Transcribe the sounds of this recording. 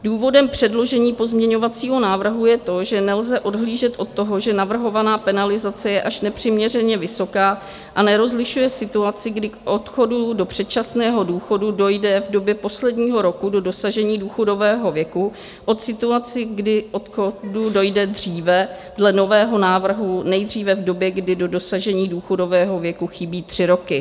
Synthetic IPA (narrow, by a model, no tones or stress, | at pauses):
duːvo̞dɛmpr̝̥ɛdlo̞ʒɛɲiːpo̞zmɲɛɲo̞vat͡siːɦo̞naːvr̩ɦujɛt̪o̞ʒɛnɛlzɛʔo̞dɦliːʒɛt̪ʔo̞t̪ːo̞ɦoʒɛnavr̩ɦo̞vanaːpɛnalɪzat͡sɛjɛʔaʃnɛpr̝̥ɪmɲɛr̝ɛɲɛvɪso̞kaː | ʔanɛɾo̞zlɪʃujɛsɪt̪uat͡sɪɡdɪkʔo̞t̪xo̞dudo̞pr̝̥ɛt̪̚t͡ʃasnɛːɦo̞duːxo̞dudo̞jdɛvdo̞bjɛpo̞slɛdɲiːɦo̞ɾo̞kudo̞do̞saʒɛɲiːduːxo̞do̞vɛːɦo̞vjɛku | ʔo̞t̪sɪt̪uat͡sɪɡdɪʔot̪xodudo̞jdɛd̪riːvɛ | dlɛno̞vɛːɦo̞naːvr̩ɦunɛjd̪r̝iːvɛvdo̞bjɛɡdɪdo̞do̞saʒɛɲiːduːxo̞do̞vɛːɦo̞vjɛkuxɪbiːt̪r̝̥ɪɾo̞kɪ